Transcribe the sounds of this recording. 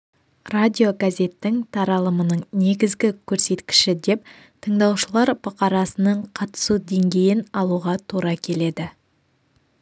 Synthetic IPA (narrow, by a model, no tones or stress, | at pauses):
radʲio̞ɡazʲe̞t̪ːɪŋt̪ʰɑɾɑlˠəmənəɴne̞ɡʲɪzɡʲɪkʲʰɵɾse̞t̪kʲɪ̥ʃɪd̪e̞p̚ | t̪ʰəɴd̪ɑwʃəlˠɑɾbʊqɑɾɑsənəɴqʰɑt̪ə̥sud̪e̞ŋɡʲe̞jɪnɑlˠuʁɑt̪ʰuɾɑkʲʰe̞le̞d̪ɪ